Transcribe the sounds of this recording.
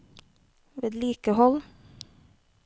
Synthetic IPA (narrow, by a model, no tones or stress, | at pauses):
ʋeːd̪liːkəhɔl